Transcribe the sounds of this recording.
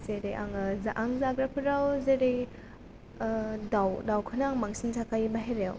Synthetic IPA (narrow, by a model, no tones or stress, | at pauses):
z̥eɾejʔa̰ŋzaʔaŋzaɡɾapʰɯɾawzeɾej | dawdawkʰɯnaaŋmaŋsinsakajibaɦeɾew